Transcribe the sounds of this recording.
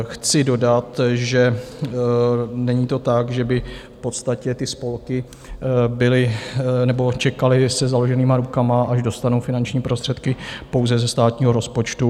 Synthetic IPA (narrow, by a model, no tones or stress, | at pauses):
xt͡sɪdo̞dat̪ʒɛ | nɛɲiːt̪o̞t̪akʒɛbɪfpo̞t̪st̪acɛt̪ɪspo̞lkɪ | bɪlɪnɛbo̞t͡ʃɛkalɪsɛzalo̞ʒɛniːmaɾukamaʔaʒdo̞st̪anowfɪnant͡ʃɲiːpɾo̞st̪r̥ɛt̪kɪpo̞wzɛzɛst̪aːt̪ɲiːɦoɾo̞spo̞t͡ʃt̪u